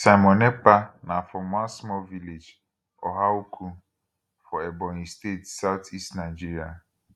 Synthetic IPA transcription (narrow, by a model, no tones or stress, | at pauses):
saɪmɔ̃nɛpanãfɔmãnsmɔlviled͡ʒ | ɔ̰ɦaukʰu | fɔɛbɔ̃nĩstetsawt̪ʰistnãɪd͡ʒiɾia